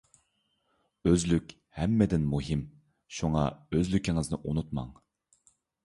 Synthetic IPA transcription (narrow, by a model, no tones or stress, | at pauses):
øzlykʲ | hɛmːɛd̪ɪnmuɦɪm | ʃuŋɑ̰øzlykʲiŋɪɨznɨʔunut̪mɑ̰ŋ